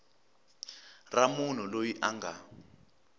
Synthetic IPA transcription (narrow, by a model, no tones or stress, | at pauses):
ramun̤ulojiʔaŋɡa